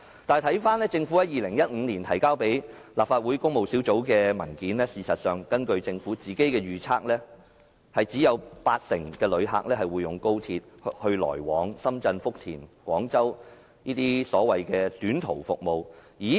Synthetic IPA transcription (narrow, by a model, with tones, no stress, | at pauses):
t̪aː˨jt̪ʰɐ˨˥jfaː˥nlɛː˥t͡sɪ˧ŋfuː˨˥jɐ˨˥jiː˨lɪ˨˩ŋjɐ˥t̚ŋ̩ː˨˧niː˨˩nt̪ʰɐ˨˩jkaː˥wpe˨˥j | laː˨p̚faː˧t̚wuː˨˥jkʊ˥ŋ̚mo˨wsiː˨˥wt͡so˨˥wkɛː˧mɐ̰˨˩nkiː˨˥nlɛː˥siː˨˧sɐ˨t̚sœː˨ŋkɐ˥nkɵ˧ɥt͡sɪ˧ŋfuː˨˥t͡siː˨ke˥jkɛː˧ɥyː˨t͡sʰaː˥k̚lɛː˥ | hɐ˨jt͡siː˨˥jɐ˨˧wpaː˧t̚sɪ˨˩ŋkɛː˧lɵ˨˧ɥɦa̰ː˨˧k̚lɛː˥hɐ˨jwuː˨˧jjʊ˨˩ŋko˥wt͡sʰiː˧t̚hɵ˧ɥlɔ̰ː˨˩jwɔ̰ː˨˥ŋsɐ˥mt͡sɐ˧nfʊ˥k̚t̪ʰḭː˨˩nkʷwɔ̰ː˨˥ŋt͡sɐ˥w | niː˥t̪iː˥sɔː˨˥wɐ˨jkɛː˧t̪yː˨˥nt̪ʰo˨˩wfʊ̰˨k̚mo˨wjiː˨˥